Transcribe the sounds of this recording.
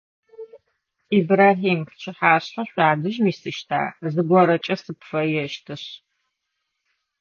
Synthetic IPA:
iːbɾaːɦiːmɕʰɪħaːɕħɐɕʷaːdɨʒmiːsɨʃtʰa̰ːzɨɡʷɔɾɐt͡ʃʼɐsɨpfɐjɛʃtʰɨɕ

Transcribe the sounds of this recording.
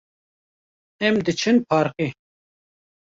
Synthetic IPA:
ɛmd̪ɨt͡ʃʰɨnpʰɑːɾqi

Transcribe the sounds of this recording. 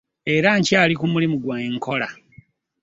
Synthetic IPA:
eɾaɲcaːlikumulimuɡwaŋko̞la

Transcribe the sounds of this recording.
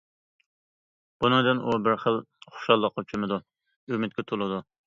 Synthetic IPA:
b̥unɨŋd̪ɨnʔubɪɾχəlˠχo̥ʃɑlˠːəqːot͡ʃʰɪmɨd̪u | ymɪt̪̚kʲɛt̪ʰolˠɨd̪u

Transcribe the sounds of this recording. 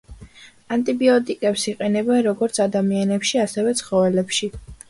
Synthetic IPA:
ant̪ʼibiɔt̪ʼikʼɛpsiqʼɛnɛbɛnɾɔɡɔɾt̪sʰad̪amianɛpʃiasɛvɛt̪sʰχɔvɛlɛpʃi

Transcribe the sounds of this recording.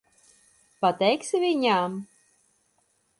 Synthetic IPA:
pat̪ʲɛjksʲɪvʲiɲʲam

